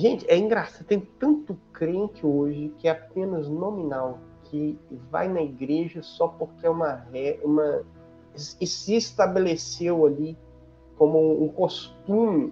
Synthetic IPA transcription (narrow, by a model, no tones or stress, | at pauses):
ʒẽt͡ʃɪɛĩɡɾasad̪t̪ẽj̃t̪ɐ̃nt̪ʊkɾẽt͡ʃɪoʒɪkɪɛapẽnɐznõmĩnaw | kʰɪva̰jnɐiɡɾeʒɐsɔpoɾkɪɛũmɐhɛũmɐ | ɪsɪːst̪abelesewali | kõmʊ̃ũkost̪ũmɪ